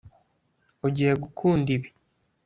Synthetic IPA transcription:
oɟiheɡukʰuːndiβi

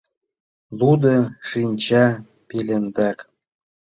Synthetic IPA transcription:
lud̪ɤʃinʲt͡ɕɑ | pelʲend̪æk

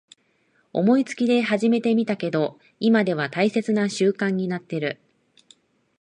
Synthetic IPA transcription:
o̞̰mo̞it͡sɨ̥kʲid̪e̞ɦaʑime̞t̪e̞mʲit̪ake̞d̪o̞ | imad̪e̞β̞at̪aise̞t͡sɨnaɕɨːkãɲ̟ːinat̪ːe̞ɾɯ̟

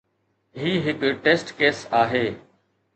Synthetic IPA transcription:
ɦiːɦɪkːʈeːsʈkeːsaːɦeː

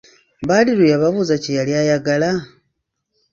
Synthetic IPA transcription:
βaliɾujaβaβuzacijaljajaɡala

